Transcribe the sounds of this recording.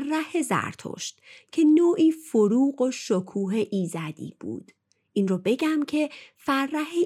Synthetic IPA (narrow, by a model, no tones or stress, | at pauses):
rːæhezæ̰ɾt̪ʰo̰ːʃt̪cʰe̞noːʔiːfoɾuːɢoʃokʰuːɦeʔiːzæd̪ḭːb̥ṵːd̪̥ | ʔinrɔːbe̞ɟæmcʰe̞færːæhe